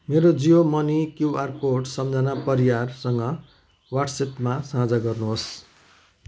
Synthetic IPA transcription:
meɾod͡zijomʌnikjuarkoʈsʌmd͡zanapʌɾijarsʌŋɡʌ | waʈsepmasãd͡zʌɡʌrnuɦos

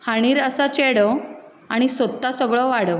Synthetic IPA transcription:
haɽ̃iːɾəsat͡ɕeɽɔ | aɽ̃isət̪ːasəɡɭɔʋaɽə

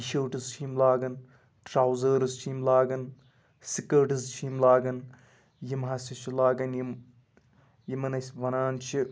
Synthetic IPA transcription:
iʃəːʈɨst͡ʃʰiːmlaːɡɐn | ʈɾaːwzɐːɾɨst͡ʃʰiːmlaːɡɐn | sikɐːʈɨzt͡ʃʰimlaːɡɐn | jimɦɐsʲit͡ʃʰilaːɡɐnjim | jimɐnɐsʲʋɐnaːnt͡ʃʰi

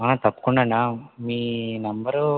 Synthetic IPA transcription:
aːt̪ɐpːu̥kuɳɖaːɳamiːnɐmbɐɾu

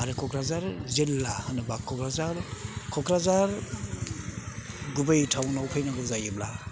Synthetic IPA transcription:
aɾekʰɔkɾazaɾzilːahɯnɯbakʰːɔkɾazaɾkʰɔkɾazaɾ | ɡubejtʰawnawpʰajnaɡɔzajɯbla

